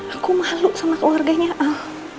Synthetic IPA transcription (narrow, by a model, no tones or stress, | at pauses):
akumahlʊʔsanakəlwarɡaɲaʔa